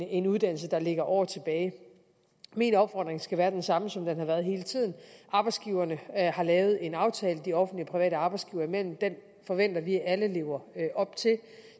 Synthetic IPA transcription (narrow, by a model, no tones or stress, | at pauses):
e̝nuðˠd̥æn̰l̩s̬əd̥ɑ̈le̝ɡ̥ɐʔɒ̰ːɐt͡sʰe̝b̥ɛːɪ | minɒ̽b̥fɒ̰ːd̥ʁeŋsɡ̥æʋæːɐd̥ensɑ̈məsɒ̽md̥enhɑ̈ʋæːɐð̞̩ˠɦe̝ːlət͡sʰið̞̰ˠn̩ʔɑ̈ːb̥ɑɪsɡ̥iʊɐnəhɑ̈lɛːʊð̞̩ˠe̝nɑ̈ʊt͡sʰɛːləd̥iɒ̽fn̩dlipʰʁiʋɛ̰ːɾəɑ̈ːb̥ɑ̈ɪsɡ̥iʊɐimel̰m̩d̥en | fɒ̽ʋen̰d̥ɐʋiæʔæləle̝ʊɐʔɒ̽b̥̚t͡sʰe̝l